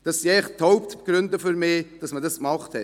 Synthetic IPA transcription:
d̥ɑsːiɛɪχthoʊptɡ̥ɾʏndəfyɾmɪːd̥ɑsmədɑskmɑχthɛt

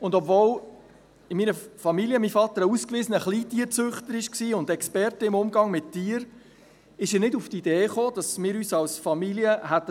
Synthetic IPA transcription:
ʊndɔbvoːl | ɪminəfɑmilijəmifɑt̪əɾəuskviːzənəχliːtiːəɾt͡søχtəɾɪʃksiːʊndɛkspɛrtəɪmʊmɡɑŋmɪttiːəɾ | ɪʃɪnɪduftideːχoːd̥ɑsmɪːɾyːsɑlsfɑmiljəɦætːə

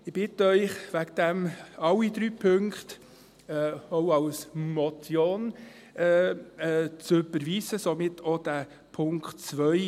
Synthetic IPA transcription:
ɪb̥ɪtəœʏχʋæɡd̪æmɑlːid̪ɾyːpʰɵŋkt | ɛoʊɑwsmɔtjon | ɛːɛːt͡søbəɾʋiːsəsɔmɪtʰɔd̥æ | pʰʊŋktt͡sʋœʏ

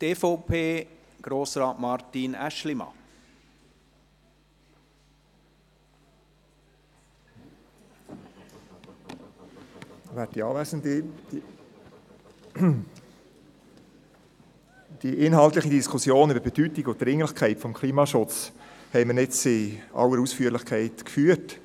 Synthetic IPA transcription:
t̪eːfoʊpʰeː | ɡ̥ɾoːsɾɑːtmɑɾtinæ̰ʃlimɑ̰ | ʋæɾt̚diɑːlæsəndi̥ | d̥iʔɪnɦɑlt̪lɪχidiskʰʊsjoːnybəɾbɛd̥ytɪɡʊt̚dɾɪŋlɪχkʰɛɪtfɔmkʰliːmɑʃʊt͡shɛɪmənɪt͡sɪɑ̰wəɾusfyəlɪχkʰɛɪtkfyːət

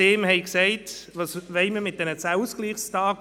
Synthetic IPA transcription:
eːmhɛɪksɛɪtʋɑːsʋɛɪməmɪt̚d̥ɛnət͡sæuskliːχstɑːk

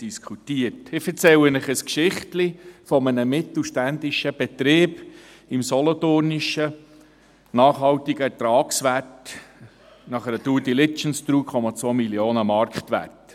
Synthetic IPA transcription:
d̥iskʰutiətɪfɛɾt͡sɛwənəχəskʃɪχtlifɔmənəmɪt̪l̩ʃtænd̪iʃəb̥ɛt̪ɾeːb | ɪmsɔlɔtʊrniʃə | nɑːχɦɑwtiɡəɛɾtɾɑːksʋæt | nɑχəɾətuːdilɪt͡ʃənstɾuːkʰχɔmɑt͡sʋoːmiljoːnəmɑɾkχtʋæ̰t

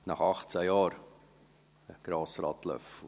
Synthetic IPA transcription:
nɑχɑχt͡sæjɑːɾ | əɡ̥ɾɑːsɾɑ̰ːtlœ̰fu

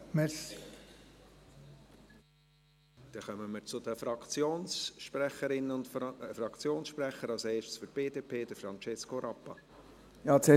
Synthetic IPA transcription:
mɛs | d̪̥ɛχœməməɾt͡sʊd̥̪əfɾɑkt͡sjoːnsʃpræχəɾɪnːəʊntfɾɑkt͡sjoːnsʃpræχəɾɑlseːʃtə̥sfyɾtb̥eːdeːpʰeːd̥̪əfɾɑnt͡ʃɛskoɾɑpːɑ | jɑːt͡sɛ

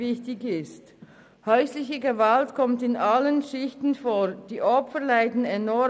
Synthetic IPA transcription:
ɪçtɪçɪst | hœʏslɪçəɡəvaltkʰɔmtɪnʔalənʃɪçtn̩foːd̥iːʔɔpfəlaɪdn̩ɛnɔ

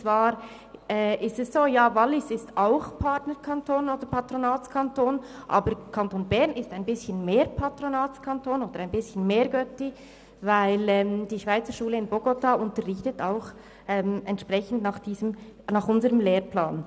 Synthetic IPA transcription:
t͡svaːɾ | ɛːʔɪstɛssoːjaːvɑlːɪsɪstaʊxpʰɑtnəɾkʰantʰoːnoːdəɾpʰɑtɾonaːt͡skʰɑntoːnʔɑ̰ːbəɾkʰɑntoːnbɛʁnɪstaɪnbɪsçənmeːɾpʰɑtʁonaːt͡skʰantʰoːnoːd̥əɾaɪnbɪsçənmeːɾɡœti | vaɪlɛːmd̥iːʃv̥aɪt͡səɾʃuːləɪnboɡotaʔʊntəʁɪçtətaʊx | ʔɛːmɛntʃpʁ̥ɛçn̩dnɑːχd̥iːzəmnɑːχʊnzəʁəmleːɾplaːn

